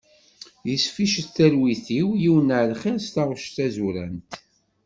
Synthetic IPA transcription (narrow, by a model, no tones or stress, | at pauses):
jəsfiʃəθælwiθiwjiwənəʕlχiɾst̪ɑʁʃt̪æzuɾæ̰nt̪